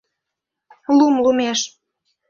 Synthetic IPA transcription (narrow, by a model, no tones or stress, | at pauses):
lumlumeʃ